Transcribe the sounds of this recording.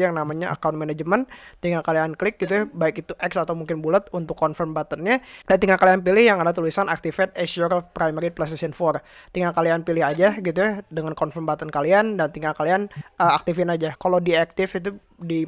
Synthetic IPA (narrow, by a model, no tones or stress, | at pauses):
jaŋnamaɲaʔa̰kaũnt̪̚manad͡ʒəmənt̪iŋɡakalianklɪk̚ɡit̪̬ujabaɪkit̪uʔɛksat̪awmuŋkɪnbulət̪unt̪ʊkːɔnfərmbat̪ənɲadant̪iŋɡakːalianp̬ilɪhjaŋadat̪ulisanak̚t̪ifɛt̪̚esɔɾɔfpɾajmɛɾiplast̪esənfɔr | t̪iŋɡakːalianpilɪɦad͡ʒaɡit̪ujadəŋankɔnfərmbat̪ənkaliandant̪iŋɡakalianəak̚t̪ifɪnad͡ʒakaladiɛk̚t̪ɪfit̪u | di